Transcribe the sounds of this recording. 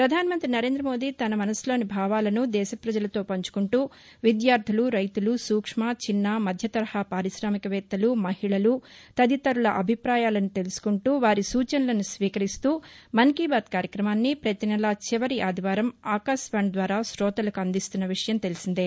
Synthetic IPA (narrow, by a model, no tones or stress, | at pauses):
pɾɐd̪ʱaːnɐmɐnt̪ɾinɐɾe̞ːnd̪ɾɐmo̞ːd̪iːt̪ɐnɐmɐnɐslo̞ːnibʱaːʋaːlɐnud̪ɛːʃɐpɾɐd͡ʒɐlɐt̪o̞ːpɐɲt͡ʃu̥kuɳʈuː | ʋid̪jaːɾd̪ʰʱuluɾɐjt̪ulusuːkʂmat͡ʃinːɐmɐd̪ʱjɐt̪ɐɾɐhɐpaːɾiʃɾaːmikɐʋɛːt̪ːɐlumɐhiɭɐlut̪ɐd̪it̪ɐɾuɭɐʔɐbʱipɾaːjaːlɐnut̪e̞lusu̥kuɳʈuːʋaːɾisuːt͡ʃɐnulɐnusʋiːkɐɾist̪uːmɐŋkiːbaːt̪kaːɾjɐkɾɐmaːnːipɾɐt̪inɐlɐt͡ʃiʋɐɾiʔaːd̪ʱiʋaːɾɐmaːkaːsʋɐːɳd̪ʋaːɾaːʃɾɔːt̪ɐlɐkuɐnd̪ist̪unːɐʋiʂɐjɐmt̪e̞lisind̪e